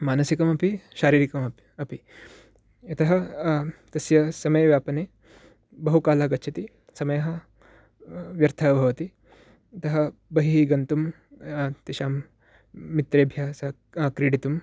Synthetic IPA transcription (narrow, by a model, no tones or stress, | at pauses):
maːnɐsikɐmɐpiʃaːɾiːɾikɐmɐpiɐpi | jɐt̪ɐɦɐ | t̪ɐsjɐsɐmɐjɐʋjaːpɐneː | bɐɦukaːlɐɦɐɡɐːʃʰɐt̪i | sɐmɐjɐɦɐ̆ | ʋjɐɾt̪ʰɐɐbʱɐʋɐt̪i | ɐt̪ɐɦɐbɐɦiɦiɡɐnt̪um | t̪iʃaːmː | it̪ɾeːbʱjasɐ | kɾeːɽit̪um